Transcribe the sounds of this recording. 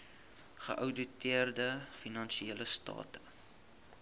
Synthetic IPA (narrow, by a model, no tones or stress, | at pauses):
χə̰ʔəwdutiərdəfinɐnʃieləstɑ̰ːtə̥